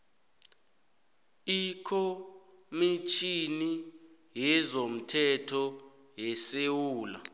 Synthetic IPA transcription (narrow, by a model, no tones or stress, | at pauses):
ikʰɔ | mit͡ʃʰini | jɛzom̩tʰɛtʰɔ | jɛsewuːla̰